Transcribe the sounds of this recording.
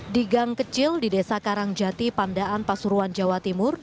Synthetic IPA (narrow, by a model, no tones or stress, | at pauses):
diɡaŋkət͡ʃɪldidesakaɾaŋd͡ʒat̪ipandaʔanpasuɾuand͡ʒawat̪imʊr